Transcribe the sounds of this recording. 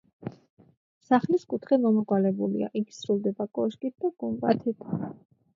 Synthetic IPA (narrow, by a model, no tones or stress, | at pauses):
saχliskʼut̪ʰχɛmɔmɔɡwalɛbulḭa̰ʔikʰsɾulˠd̪ɛbakʼɔʃkʼit̪̚d̪̥aɡ̥umbʼat̪ʰit̪ʰ